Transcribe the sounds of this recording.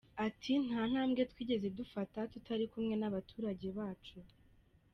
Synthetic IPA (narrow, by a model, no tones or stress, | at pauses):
atʰin̥haːn̥aːmɡe̞tkwiːɟe̞zeb̚dufatatutʰaɾikumŋe̞naβatʰuːɾaɟe̞βaːt͡ʃu